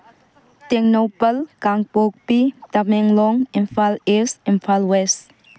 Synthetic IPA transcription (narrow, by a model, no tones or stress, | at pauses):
t̪ɛŋnopəlkaŋpok̚pit̪amɛŋlɔŋinfʰalesimpʰalwɛs